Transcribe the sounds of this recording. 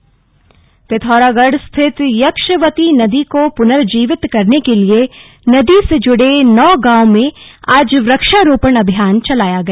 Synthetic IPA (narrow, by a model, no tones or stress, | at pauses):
pɪt̪ʰɔːɾaːɡəɽst̪ʰɪt̪jɐkʃəʋət̪inɐd̪ikopʊnəɾd͡ʒiːʋɪt̪kɐɾnekelie | nɐd̪ised͡ʒʊɽenɔːɡãːwmẽaːd͡ʒʋɾɐkʃaɾoːpəɳɐbʱjaːnt͡ʃɐlaːjaɡɐ